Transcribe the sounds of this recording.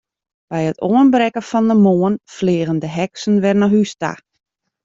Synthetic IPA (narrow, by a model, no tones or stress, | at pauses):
b̥ɛjətoənbɾɛkəfɔndəmoːənfleːɣəndəɦɛksən̩ʋɛrnɔɦysta̰